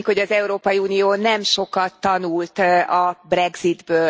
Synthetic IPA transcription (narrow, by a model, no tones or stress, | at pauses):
kho̞ɟɒzɛuɾoːpɒjiuːnijoːnɛmʃo̞kɒt̪ːɒnult̪ɒbrɛɡzid̪bøː